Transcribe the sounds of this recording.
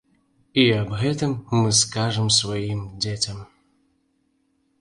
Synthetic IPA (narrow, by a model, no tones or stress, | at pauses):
iabɣɛt̪ɨmːɨskaʐɨmsvajimd͡zʲet͡sʲɐm